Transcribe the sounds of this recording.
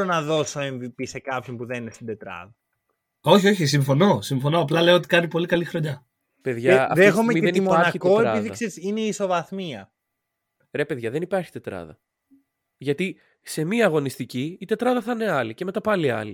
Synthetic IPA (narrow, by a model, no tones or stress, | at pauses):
onɐðo̞soenðipise̞kɐpçompuðe̞ninest̪ind̪e̞t̪ɾɐ̰ðɐ | o̞çio̞çis̬iɱfo̞no̞siɱfo̞no̞ɐplɐle̞oot̪i̥kɐnipo̞likɐlixɾo̞ɲɐ | pe̞ðʝɐɐ̰ðexomemieðenimoɐɾçitkeoeɾɐiðiɐksesineiso̞vɐθmiɐ | ɾe̞pe̞ðʝɐðe̞nipɐɾçi̥t̪e̞t̪ɾɐ̰ðɐ̰ | ʝɐt̪i | se̞miɐːɣo̞nist̪iciːt̪e̞t̪ɾɐðɐθɐne̞ɐlice̞me̞t̪ɐpɐliɐ̰li